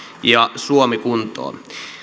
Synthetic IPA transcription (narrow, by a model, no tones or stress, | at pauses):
jɑsuomikunt̪o̰ː